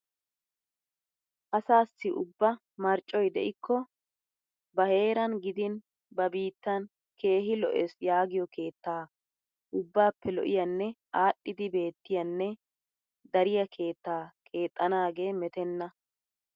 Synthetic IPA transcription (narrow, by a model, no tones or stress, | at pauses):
ʔɐsaːsːɪʔʊbːɐ | mɐɾt͡ʃʼːɔjd̪ɛ̰ʔɪkʰːɔ | bɐhe̞ːɾɐnɡɪd̪ɪn | bɐbiːt̪ːɐn | ke̞ːɦɪlɔ̰ʔɛsjaːɡɪjɔkʰe̞ːt̪ːaː | ʔʊbːaːpːɛlɔ̰ʔɪjɐnːɛʔaːɗːɪd̪ɪbe̞ːt̪ːɪjɐnːɛ | d̪ɐɾɪjɐkʰe̞ːt̪ːaːkʼe̞ːt̪ʼːɐnaːɡe̞ːmɛt̪ɛnːɐ